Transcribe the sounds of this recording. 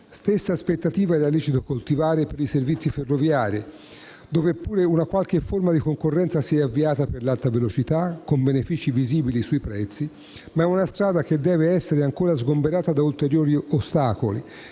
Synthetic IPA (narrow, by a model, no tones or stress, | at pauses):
st̪esːaspet̪ːat̪iːvaɛlaliːt͡ʃit̪okolt̪ivaːɾepeɾiservit̪sːiferːovjaːɾḭ | d̪oːvepːuːɾeunakwalk̟efːormad̪ikoŋkorːɛnsasiɛavːiaːt̪aperlalt̪avelot͡ʃit̪akːombenefiːt͡ʃiviziːbilisuipɾɛt̪sːi | maɛunast̪ɾaːd̪ak̟ed̪ːɛːveɛsːeɾeaŋkoːɾazɡombeɾaːt̪ad̪ault̪eɾjoːɾiost̪aːko̰li